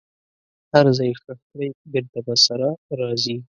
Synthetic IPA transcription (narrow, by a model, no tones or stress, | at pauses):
haɾzɑjxəxt̪ɾajbɪɾt̪abasaɾaɾɑzi